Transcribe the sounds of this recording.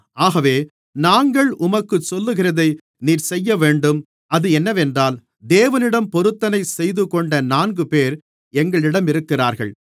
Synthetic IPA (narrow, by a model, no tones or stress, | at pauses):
ʔaːɣɐʋeː | naːŋɡɐɭʊmɐkːɯsɔlːɯɣɪrɐðɐɪ | niːɾsɛjːɐʋeːɳɖɯm | ɐðɯɛnːɐʋɛndraːl | d̪eːʋɐnɪɽɐmpɔɾɯt̪ːɐnɐɪsɛjðɯkɔɳɖɐnaːnɡɯpeːɾ | ɛŋɡɐɭɪɽɐmɪɾɯkːɪraːɾɣɐ̰ɭ